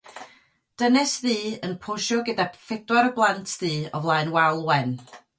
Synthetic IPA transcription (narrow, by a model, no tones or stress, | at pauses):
d̥ənɛsðiːənpʰoʃɔɡədafɪdwaɾəblˠantʰðiːɔ̰vlˠaɨnwalˠwɛn